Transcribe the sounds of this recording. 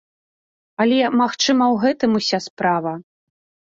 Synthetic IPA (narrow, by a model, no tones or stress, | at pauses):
ɐlʲɛmaxt͡ʂɨmɐwɣɛt̪ɨmusʲaspɾavɐ